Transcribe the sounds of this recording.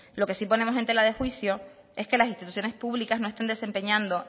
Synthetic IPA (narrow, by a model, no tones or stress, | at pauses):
lo̞ke̞sipo̞nemose̞nt̪elaðe̞xwisjo̞ | e̞ske̞lasinst̪it̪uθjo̞ne̞spuβlikazno̞est̪and̪e̞se̞mpe̞ɲãnd̪o̞